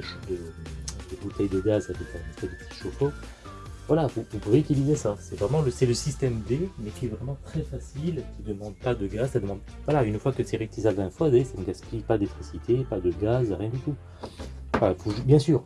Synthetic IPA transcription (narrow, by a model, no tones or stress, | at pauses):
əʃd̪əd̪əbut̪ɛjd̪əɡazavɛkɛ̃pχɛd̪əpə̥t̪ʰi̥ʃofo | vwalavuvupuveyt̪ilizesasɛvʁɛmɑ̃ləsɛləsist̪ɛmd̪emɛkʲiɛvʁɛmɑ̃t̪χɛfasilkʲid̪əmɑ̃d̪̚pad̪əɡazsad̪əmɑ̃d̪vwalaynfwakəseʁit̪izalɛ̃fɔzasanəɡaspipad̪et̪χisit̪ʰepad̪əɡazʁjɛ̃d̪yt̪u | ɑ̃fɛ̃vuʒbjɛ̃syːʁ